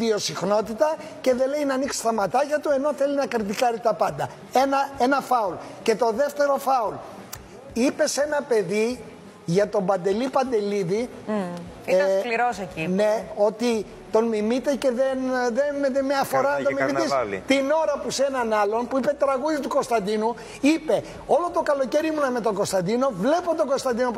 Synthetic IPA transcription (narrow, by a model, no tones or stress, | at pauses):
io̞sixno̞t̪it̪ɐce̞ðe̞le̞jnɐniksi̥st̪ɐmɐt̪ɐcɐt̪ue̞no̞θe̞linɐkɾit̪ikɐɾit̪ɐpɐnd̪ɐ | enɐe̞nɐfɐulce̞t̪o̞ðe̞ft̪e̞ɾo̞fɐul | ipe̞se̞nɐpe̞ði | ʝɐt̪o̞bɐnd̪e̞lipɐnd̪e̞liði | iɐkliɾosecineo̞t̪i | t̪o̞nmimit̪ece̞ðenðenmmɲɐfo̞ɾɐnɐt̪omimiisl̰t̪ino̞ɾɐpusenɐnɐlo̞npuipe̞t̪ɾɐɣuðit̪uko̞st̪ɐnd̪inu | ipe̞ | olo̞t̪o̞kɐlo̞ce̞ɾimunɐmet̪o̞ŋɡo̞st̪ɐnd̪ino̞vle̞pont̪oɡost̪ɐnd̪ino̞p